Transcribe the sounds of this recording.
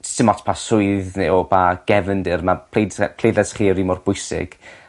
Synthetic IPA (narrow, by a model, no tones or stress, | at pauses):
stɪmɔtʰpʰasʊɨðneɔbaɡ̥ɛvəndɪrmapʰlepʰl̥ejdɛsχiːɾimʊrb̥ʊjsɪ̰ɡ̥